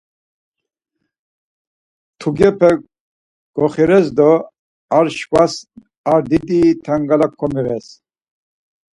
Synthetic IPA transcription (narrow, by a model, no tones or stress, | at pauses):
t̪ʰuɡɛpʰɛ | ɡ̥ɔχiɾɛs̬d̪ɔ | aɾʃkas | aɾd̪id̪it̪ʰaŋɡalakʰːɔmiɾɛs